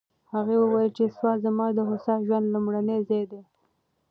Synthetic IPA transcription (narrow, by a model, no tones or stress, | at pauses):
haɣewəwajəlt͡ʃeswɑzamɑd̪əɦʊsɑʒwand̪lʊmɽanezed̪e